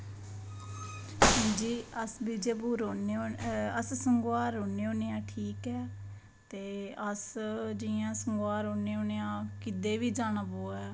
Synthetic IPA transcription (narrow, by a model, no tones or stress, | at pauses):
ɦə̃ːnd͡ʒiːəsbiːd͡ʒeːpuːɾoːneoːəssəŋɡaːɾoːneːoːneːãːʈʰiːkɛː | t̪eːəsd͡ʒɪãːsəŋɡaːɾoːneːoːneːãːkɪd̪eːʋiːd͡ʒaːnaːboːɛː